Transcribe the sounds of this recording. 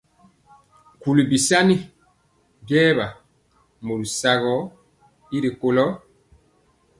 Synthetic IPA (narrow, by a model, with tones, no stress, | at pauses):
ku˨li˨bi˨sa˦ni˦ | ɡɛː˦βa˨ | mo˨ɾu˨sa˨ɣɔ˨˦ | i˦ɾi˨ko˨lɔ˦